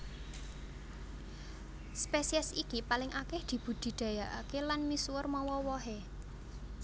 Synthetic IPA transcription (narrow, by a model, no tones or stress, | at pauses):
spesiɛsikipalɪŋʔakɛhd̪̥i̤b̥ṳd̪̥i̤d̪̥ä̤jaʔakelanmiswʊrmɔwɔwɔɦe